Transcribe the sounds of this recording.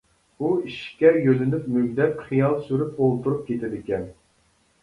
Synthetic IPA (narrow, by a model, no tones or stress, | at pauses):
uiʃkʲɛjølɪnyp̚møɡʲd̪ɛt̪χijɑlˠsyɾyp̚olˠt̪ʰuɾup̚kʲʰet̪ʰɪd̪ɪkʲɛn